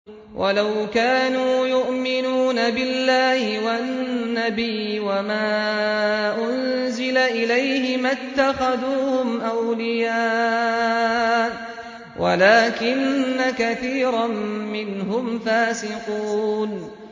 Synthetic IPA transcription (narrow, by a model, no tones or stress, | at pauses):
wʔalawkaːnuːjʊʔmɪnuːnabɪlːaːhɪwannːabiːwamaː | ʔʊn | zɪlaʔɪlajhɪmat̪ːaxaðuːhʊmʔawlɪjaː | wʔa̰laːkɪnːakaθiːɾˤɑmːɪnɦʊmfaːsɪquːn